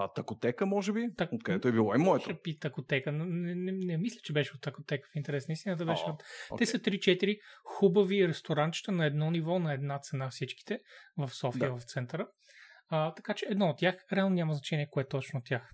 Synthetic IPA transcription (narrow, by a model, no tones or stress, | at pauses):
t̪ɐkot̪ɛkəmɔʒɛbit̪ɐt̪kd̪ɛt̪oɛbilˠɔimɔɛt̪oɛpit̪ɐkot̪ɛkənɛnɛnɛmislʲət͡ʃɛbɛʃɛot̪ːɐkot̪ɛkə̥fint̪ɛɾɛsnəist̪inət̪̬əbɛʃɛt̪ɛsət̪ɾit͡ʃɛt̪iɾixubɐviɾɛst̪oɾant͡ʃi̥t̪ənɐɛd̪nɔnivɔnɐɛd̪nat̪sɛnafsit͡ʃki̥t̪ɛvɐfsɔfiəvɐft̪sɛnt̪əɾə | ət̪ɐkat͡ʃɛːd̪nɔot̪ːʲjaxɾɛalˠnnʲamɐznɐt͡ʃɛniɛkoɛt̪ːɔt͡ʃnoot̪ʲːjax